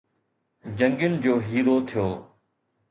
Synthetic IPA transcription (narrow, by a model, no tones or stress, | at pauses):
d͡ʑə̃ŋɡjʊnɪ̆d͡ʑoːɦiːɾot̪ʰijoː